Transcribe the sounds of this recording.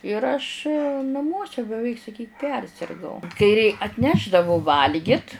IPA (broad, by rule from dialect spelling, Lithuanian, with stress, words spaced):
ɪr ɐʃ nɐˈmuɔsʲɛ bʲɛˈʋʲɛɪk sɐˈkʲiːk ˈpʲɛrʲsʲɪrɡɐʊ kɐɪ rʲɛɪ ɐtʲˈnʲæːʒdɐʋʊ ˈʋɐlʲɡʲɪt